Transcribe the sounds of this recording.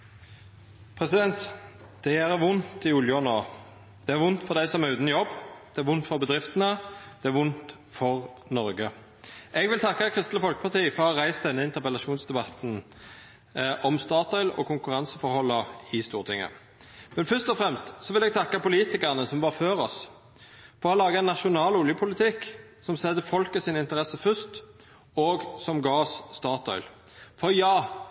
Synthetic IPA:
pʰʁɛsɪd̪ɛnt̪ | d̪̥ɛjæːɾʋʊnt̪ɪʊljəɔnoː | d̪̥ɛæɾʋʊnt̪fɔʁd̪æɪsɔmæʁʉːt̪n̩jɔbːd̪̥ɛæɾʋʊnt̪fɔʁbəd̪ʁɪft̪ənəd̪̥ɛæɾʋʊnt̪ | fɔʁnɔɾɡə | ʔɛɡʋɪlt̪ʰɑkːəkʰʁɪst̪ləfɔlkə̥pʰɑʁt̪ʰiːfɔɾʁɔʁæɪsd̪ɛnːəɪnt̪əʁpəlɑʃuːnsd̪ɛbɑt̪n̩ | ʔɔmst̪ɑːt̪ɔʏlɔ̰kʰʊŋkʉʁɑnsəfɔɾhɔlːɑɪst̪uːʁt̪ʰɪŋːə̰ | mɛnfœʂt̪ɔfʁɛmst̪sɔʋɪlɛɡ̚t̪ʰɑkːɑpʊliːt̪ɪkəʁənəsɔmʋɑʁføːʁɔs | fɔʁɔlɑːɡəɛnːɑʃʊnɑːlʊljəpʰʊlɪt̪ʰɪkːsɔmsɛd̪əfɔlkəsɪnɪnt̪əʁɛsəfœst̪ | oːɡsɔmɡɑːɔsst̪ɑːt̪ɔ̰ʏl | fɔjɑː

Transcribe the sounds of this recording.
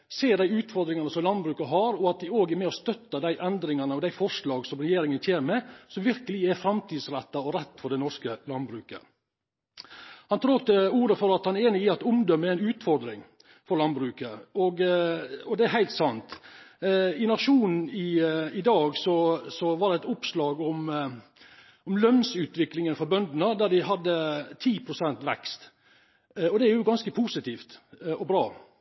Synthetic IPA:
seːɖæɪʉːt̪fɔɾd̪ɾɪŋɑnəsɔmlɑnbɾʉːkɑɦɑɾɔɑt̪̚d̪ɪoːɡæɾmɛɔst̪œt̪ːəd̪æɪʔɛnd̪ɾɪŋɑnəɔd̪æɪfɔʂɭɑːɡsɔmɾɛjeːɾɪŋənçʰeːnəmɛsɔmʋɪɾkəlɪæɾfɾɑmt̪ʰiːd̪sɾɛt̪ːɑɔɾɛt̪ːfɔɖ̪ɛnɔɾʂkəlɑnbɾʉːkə̰ | hɑnt̪ʰɾoːkt̪əuːɾəfɔɾɑt̪hɑnɛɾeːnɪɪɑt̪ʊmd̪ɔmːəæɪnʉːt̪fɔɾd̪ɾɪŋ | fɔɾɭɑnbɾʉːkəɔɡ | ɔd̪ɛæɾɦæɪlt̪sɑnt̪ | ɪnɑʂuːnn̩ɪɪd̪ɑːɡsɔsɔʋɑɖ̪ɛɛɪt̪ʊpslɑːɡɔm | ʔɔmlœnsʉːt̪ʋɪklɪŋənfɔɾbœnd̪nəd̪æd̪ɪɦɑd̪ːət̪ʰiːpʰɾʊsɛnt̪ʋɛ̰kst̪ | ɔd̪ɛæɾjʊɡɑnskəpʰuːsɪt̪iːft̪ɔbɾɑː

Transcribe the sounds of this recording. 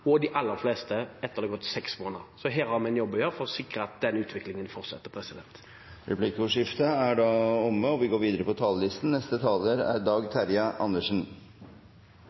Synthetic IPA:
ɔd̪ɪʔɑlːəɾfleːst̪əɛt̪ːəʁd̪ɛɡɔt̪ːsɛksmoːnə̰ɾsɔɦeːɾhɑɾmɪnjɔbːəjøːɾfɔɾɔsɪkɾəɑt̪̚d̪ɛnʉːt̪ʰʋɪklɪŋənfɔʁt̪sɛ̰t̪ːəɾpʰɾɛsɪd̪ɛnt̪ | ɾɛpʰlikʊʂɪft̪əæɖɑːɔmːəɔʋɪɡoːɾʋiːd̪əɾəpʰɔt̪ʰɑːləlɪst̪n̩nɛst̪ət̪ʰɑːləɾæ̰ɾd̪ɑːɡt̪ʰæɾjɑʔɑnːəʂn̩

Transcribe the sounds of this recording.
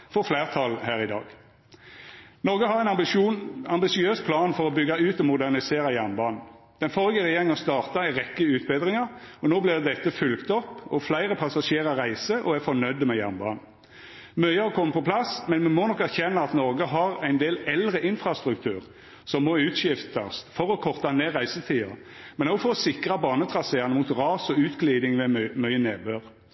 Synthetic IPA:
fɔʁflæːʁt̪ʰɑlhæːʁɪd̪ɑ̰ːɡ | nɔɾɡəɦɑʁæɪnuɑmbɪsɪøːspʰlɑːnfɔʁɔbʏɡːɑʉːt̪ɔmʊd̪æʁnɪseːʁɑjæʁnbɑːnn̩ | d̪̥ɛnfɔʁɪɡəʁɛjeːʁɪŋɔst̪ɑːʁt̪ɑæɪʁɛkːəʉːt̪̚bed̪ʁɪŋəʁɔnoːblɪʁd̪ɛt̪ːəfʉlkt̪ɔpːɔflæɪʁəpʰɑsɑʃeːʁəʁæɪsəʔɔæfɔnœʏd̪əmɛjæ̰ʁnbɑ̰ːnn̩ | mœʏɑɑkʰɔmːpʰɔplɑsmɛnmɛmɔnɔkæʁçɛnːɑɑt̪nɔɾɡəɦɑʁæɪnd̪eːlɛlʁəʔɪnfʁɑst̪ʁʉk̚t̪ʰʉ̰ːʁ | sɔmːoːʉːt̪ʃɪft̪ɑ̰sfɔɾɔkʰɔʁt̪ɑneːʁæɪsət̪ʰiːɑ̰ | mɛnɔɡfɔʁɔsɪkʁɑbɑːnət̪ʰʁɑsəjæʁnəmuːt̪ʁɑːsɔʉːt̪ɡliːd̪ɪŋmɛmœʏənḛːbøːʁ

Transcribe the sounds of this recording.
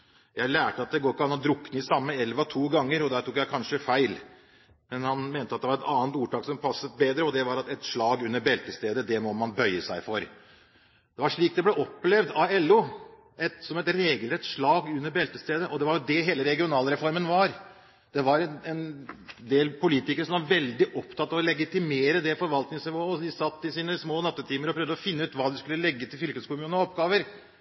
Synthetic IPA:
jæɪlæːʈəɑt̪̚d̪ɛɡoːɪkːɑnhɑnd̪ɾʊkːnɪsɑmːəɛlʋɑt̪ʰuːɡɑŋːəɾɔd̪æːʈ̪ʰʊkjæɪkʰɑnʂəfæɪl | mɛnhɑnmeːnt̪əɑt̪d̪ɛʋɑɾɛt̪ɑːənt̪uːʈɑːksɔmpʰɑsːət̪̚beːd̪ɾəɔd̪ɛʋɑɾɑt̪ɛt̪ʂɭɑːɡʉnːəɾbɛlt̪əst̪eːd̪əd̪ɛmɔmɑnbœʏəsæɪfɔɾ | d̪̥ɛʋɑɾʂɭiːk̚d̪ɛblɛʔɔpːlɛʋd̪ɑɛlːʊ | ɛt̪sɔmɛt̪ɾeːɡəlɾɛt̪sʂɭɑːɡʉnːəɾbɛlt̪əst̪eːd̪əʔɔd̪ɛʋɑɾʊd̪ɛɦeːləɾɛɡɪʊnɑːlɾɛfɔɾmənʋɑɾ | d̪̥ɛʋɑɾɛnɛnd̪eːlpʊliːt̪ɪkəɾəʂɔmʋɑɾʋɛld̪ɪʔɔpt̪ʰɑt̪ːɑʋɔlɛɡɪt̪ɪmeːɾəd̪ɛfɔɾʋɑlt̪nɪŋsnɪʋoːɔd̪ɪsɑt̪ːɪsiːnəsmoːnɑt̪ːət̪ʰiːməɾɔpʰɾœːvd̪əɔfɪnːʉːt̪ʋɑːd̪ɛskʉlːəlɛɡːət̪ʰɪlfʏlkəskʊmʉːəɔpɡɑːʋəɾ

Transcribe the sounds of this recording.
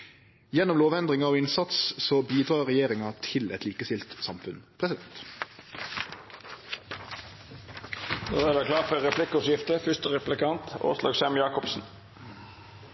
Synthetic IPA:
jɛnɔmloːʋɛnd̪ʁɪŋɑoːɪnsɑt̪ssoːbiːd̪ʁɑːʁɛjeːʁɪŋɑt̪ʰɪlɛ̰t̪liːkəsɪlt̪sɑmfʉnpʰʁɛsɪd̪ɛnt̪ | d̪o̰ːdæːd̪æːkʰlɑːfœʁɛplɪkʊsjɪft̪əfʏst̪əʁɛplɪkɑnt̪o̰ːslɑ̰ːɡsɛmjɑːkɔpsn̩

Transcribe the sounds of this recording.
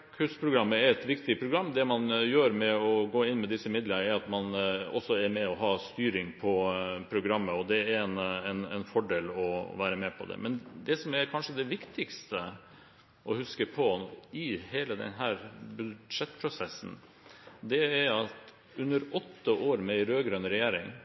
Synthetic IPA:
kʰʉʂpʰɾʊɡɾɑmːəæɾɛt̪ʋɪkt̪ɪpʰɾʊɡɾɑmːd̪ɛmɑnjøːɾmɛɔɡoːɪnːmɛd̪ɪsːəɪmɪd̪lənəæɾɑt̪mɑnɔ̰sːɔæɾmɛɔɦɑːst̪yːɾɪŋpʰɔpʰɾʊɡɾɑmːəɔd̪ɛæɾɾɛnɛnɛnfɔɖeːlɔ̰ʋæːɾəmɛpʰɔ̰d̪ɛ̰mɛnd̪ɛsɔmæɾkʰɑnʂəd̪ɛʋɪkt̪ʰɪkst̪ʰə | ʔɔhʉskəpʰɔɪheːləd̪ɛ̰nɦæːɾbʉʂɛt̪ːpʰɾʊsɛsːn̩ | d̪ɛæɾɑt̪ | ʉnːəɾɔt̪ʰːəʔoːɾmɛɾøːɡɾønɾɛjæːɾɪŋ

